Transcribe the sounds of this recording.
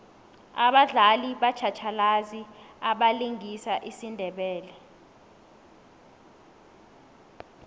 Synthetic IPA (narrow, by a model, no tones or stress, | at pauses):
aɓaɮaliɓat͡ʃʰat͡ʃʰalaziaɓaliŋisaʔisindʱɛɓɛːlɛ